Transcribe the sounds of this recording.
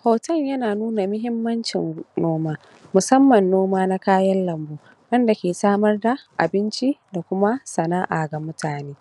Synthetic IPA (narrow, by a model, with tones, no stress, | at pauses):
hoː˨tɐ˦˨ɲjɐ˦naː˨nuː˦na˨mʊ˦ɦɪ˦mːɐ˦nt͡ʃɪ̰˨nnoː˦maː˦ | mʊ˨sɐ˦mːɐ˨nːoː˦maː˦na˦kaː˦jɐ˦nlɐ˨mbuː˦ | wɐ˦nda˨kʲeː˨saː˦mɐ˦rda˨ʔa̰˨bɪ˦nt͡ʃi˦da˨kʷʊ˦ma˦sɐ˨naː˦ʔa˨ɡɐ˨mʊ˦tʰaː˨neː˦